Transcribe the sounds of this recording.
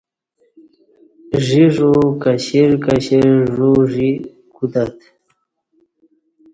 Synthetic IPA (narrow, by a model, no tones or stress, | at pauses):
ʐiʐokaɕiɾkaɕeʐuʐi | kud̪at̪